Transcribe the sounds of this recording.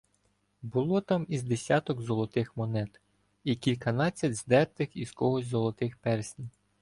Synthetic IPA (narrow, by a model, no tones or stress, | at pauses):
bʊlˠɔt̪ɑmizd̪esʲɑt̪ɔɡzɔlˠɔt̪ɪxmɔnɛt̪ | ikʲilʲkɐnɑt͡sʲːɐdʲzd̪ɛrt̪ɪxiz̥kɔɦɔsʲzɔlˠɔt̪ɪxpɛrsʲnʲ